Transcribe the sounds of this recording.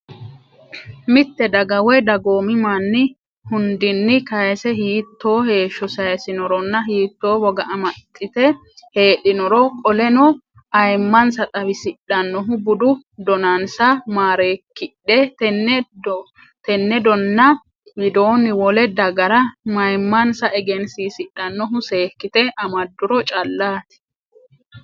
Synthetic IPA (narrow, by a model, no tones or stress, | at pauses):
mɪt̪ːɛd̪ɐɡɐwɛd̪ɐɡo̞ːmɪmanːɪ | hʊnd̪ɪnːɪkɐjɐsɛɦiːt̪ʰːo̞ːhe̞ːʃːɔsɐjɐsɪnɔɾɔnːɐɦiːt̪ːo̞ːwɔɡɐʔɐmɐt̪ʼːɪt̪ɛ | he̞ːᶑɪnɔɾɔkʼɔlɛnɔ | ɐjmːɐnsɐt̪ʼɐwɪsɪɗɐnːɔɦʊbʊd̪ʊ | d̪ɔnɐnsɐmaːɾeːkːɪᶑɛt̪ɛ | t̪ɛnːɛd̪ɔnːɐ | jɪd̪o̞ːnɪwɔlɛd̪ɐɡɐɾɐmɐjmːɐnsɐʔɛɡɛnsiːsɪᶑɐnːɔɦʊse̞ːkːɪt̪ɛʔɐmɐd̪ːʊɾɔt͡ʃʼɐlːaːt̪ɪ̥